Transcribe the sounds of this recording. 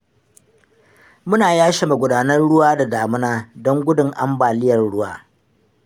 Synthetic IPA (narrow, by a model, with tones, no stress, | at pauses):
mʊ˦naː˨jaː˦ʃe˨ma˨ɡʷʊ˨daː˨nɐ˦nɽʊ˦waː˦da˨ɡaː˨mʊ˦naː˦dɔ˦ŋɡʷʊ˦dʊ˨ŋʔa̰˦mbaː˨lɪ˦jɐ˨rɽʊ˦wa̰ː˦